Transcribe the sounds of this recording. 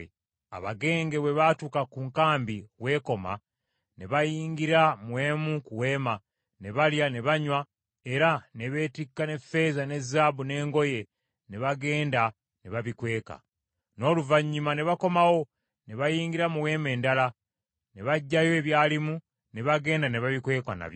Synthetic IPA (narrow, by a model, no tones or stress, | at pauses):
a̰βa̰ɡe̞ːŋɡe̞βwe̞βatukakuːŋkaːmbiwe̞ːko̞ma̰ | ne̞βajiːŋɡiɾamuwe̞ːmukuwe̞ːma | ne̞βaljane̞βaɲwa | e̞ɾane̞βe̞ːtikːane̞fe̞ːzane̞zaːbune̞ːŋɡo̞je̞ | ne̞βaɡe̞ːnda | ne̞βaβikwe̞ːka̰ | no̞ːluvaɲːumane̞βako̞mawo̞ | ne̞βajiːŋɡiɾamuwe̞ːme̞ːndala | ne̞βaɟːajo̞eβjaːlimu | ne̞βaɡe̞ːndane̞βaβikwe̞ːka̰na̰βj